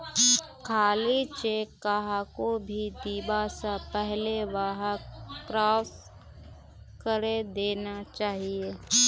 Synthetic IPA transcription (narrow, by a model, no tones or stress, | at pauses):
kʰaːlit͡ʃekːaɦakobʱid̪iːbasapɛɦleʋaɦakɾaːf | kəɾed̪eːnat͡ʃaːɦieː